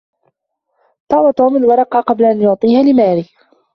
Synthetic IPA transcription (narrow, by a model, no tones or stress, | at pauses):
t̪ˤɑːwɑt̪uːmalwɑɾˤɑqɑːqɑblaʔanjʊʕt̪ˤiːhaːlɪmaːɾiː